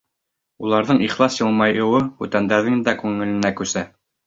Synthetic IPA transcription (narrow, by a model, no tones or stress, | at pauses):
ulˠɑɾðɤɴiχlˠɑsjɤ̆lˠmɑjɤ̆wɤχʉt̪ænd̪æɾðɘŋnd̪ækʉŋːɘ̆lɘ̆nækʉsæ